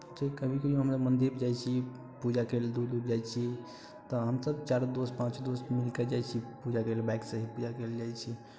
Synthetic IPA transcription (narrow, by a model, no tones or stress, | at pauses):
t͡ʃəikəbʱikejõɦəmsəbmənd̪iɾd͡ʒajt͡ʃʰi | pud͡ʒakeld̪uɾd̪uɾd͡ʒajt͡ʃʰi | t̪ɔɦəmsəbt͡ʃaɾd̪ospãt͡ʃd̪osmilkəd͡ʒajt͡ʃʰipud͡ʒakelbaɪksəɦipud͡ʒakeld͡ʒajt͡ʃʰi